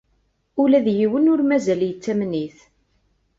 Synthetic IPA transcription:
ʊlæðjiwənʊɾmæzæljət͡sːæmniθ

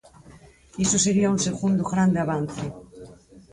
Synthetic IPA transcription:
isoseɾiaunseɣund̪ʊɣɾand̪eaβan̟θe

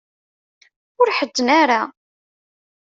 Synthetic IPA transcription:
ʊɾħəd̪ːənaɾa

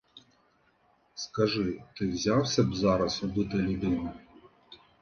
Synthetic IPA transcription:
skɐʒɪt̪ɪwzʲɑwsʲɐbzɑɾɐsʊb̪ʊt̪ɪlʲʊd̪ɪnɐ

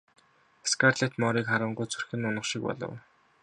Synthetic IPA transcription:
skart̪ɮet̪mɔːɾiːkχaɾə̆ɴɢujt͡sʰurxɘ̆nʊnə̆χʃik̚pɔ̰ɮɞ̰̆w

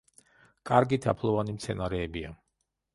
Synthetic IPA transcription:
kʼaɾɡit̪ʰapʰlˠɔvanimt̪sʰɛnaɾɛːbia

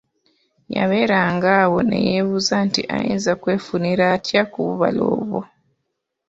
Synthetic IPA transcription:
ja̰βe̞ɾaŋɡaːwo̞nḛjeβuzantiʔajeːnzakwe̞ːfuniɾatjakuβuβalo̰ːβwo̰

